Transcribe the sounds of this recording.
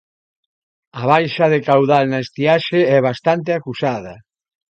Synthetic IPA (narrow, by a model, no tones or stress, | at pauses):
aβ̞ajʃɐðekawðalnaest̪iaʃeɛβ̞ast̪ant̪̬ɪakusað̞ɐ